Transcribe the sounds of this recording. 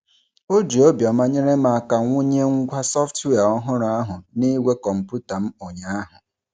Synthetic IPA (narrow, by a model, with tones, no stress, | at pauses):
o˦d͡ʒi˨o˦bjɔ˨ma˦ɲe˦ɾe˦ma˨ka˨ŋʷʊ˦ɲe˦ŋ̩˦ɡʷa˦sɔ˦ftwe˦˨a˨ɔ˦ɦʊ˦ɾʊ˨a˦ɦʊ˨ni˦ɡʷe˦kɔ˨m̩˨pu˦ta˨m̩˦o˨ɲa˨˦a˦ɦʊ˨